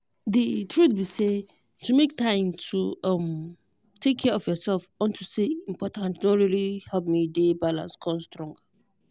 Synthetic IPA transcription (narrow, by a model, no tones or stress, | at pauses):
dɨtʰɹuθbise | tʰumek̚tʰãɪ̃mtʰuãm | tʰekʰːɛɔfjɔsɛlfɔ̃ntʰuseĩm̩pʰɔtʰãntnɔ̃ɹilihɛlp̚midebalã̰nskʰɔ̃mstɹɔ̃ŋɡa